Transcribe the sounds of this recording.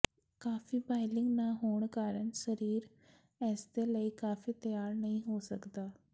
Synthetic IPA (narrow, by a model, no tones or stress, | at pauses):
kaːfiːbaːɪlɪŋɡnãːɦoːɳkaːɾəɳsəɾiːɾ | ɛːsd̪eːləiːkaːfiːt̪əjaːɾnəɦĩːɦoːsəkd̪aː